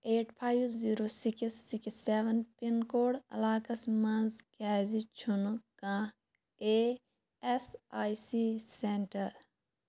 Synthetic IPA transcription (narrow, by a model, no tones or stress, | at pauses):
eːʈpʰaːjʋziːɾoːsiksːikseʋɐnpinkoːɽɐ̰laːkɐsmɐnzkɛːzit͡ʃʰunkãː | eː | esaːjsiseɳʈɐɾ